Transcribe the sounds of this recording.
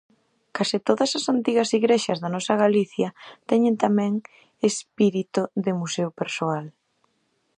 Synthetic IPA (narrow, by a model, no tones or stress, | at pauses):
kasɪt̪oðɐsasant̪iɣɐsiɣɾeʃɐzðɐnɔsɐɣaliθjɐt̪ɛɲɪnt̪amɛ̃ŋ | espiɾit̪ʊðɪmuseʊpeɾsoal